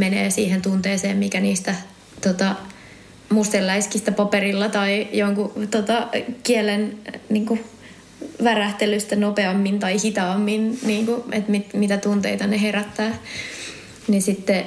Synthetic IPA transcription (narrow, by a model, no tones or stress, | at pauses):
menḛːsiːhent̪unt̪eːseːmmikæniːst̪æ | t̪ot̪ɑ | must̪elːæiskist̪æpɑperilːɑt̪ɑijoŋkut̪ot̪ɑkielenniːŋku | ʋæræht̪elyst̪ænopeɑmːint̪ɑihit̪ɑːmːinniːŋkuḛt̪mit̪mit̪æt̪unt̪eit̪ɑneheræt̪ːæː | ninsit̪ːe